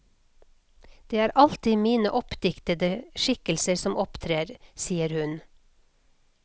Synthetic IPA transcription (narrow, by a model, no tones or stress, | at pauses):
d̪̥eːæːɾʔɑlt̪ɪmiːnəʔɔpd̪ɪkt̪əd̪əʃɪkəlsəɾsɔmʔɔpt̪ʰɾeːɾsiːəɾhʉn